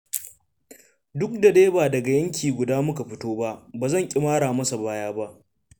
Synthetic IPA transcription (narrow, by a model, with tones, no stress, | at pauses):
dʊ˦k̚da˨deː˦baː˨dɐ˨ɡa˨jɐ˦ŋkʲʰiː˨ɡʷʊ˨daː˦mʊ˦ka˨ɸɪ˦toː˦ba˦ʔbaː˨zɐ˦˨ŋkʲʼɪ˦maː˦ɽaː˨mɐ˦sa˨baː˦jaː˦ba˦ʔ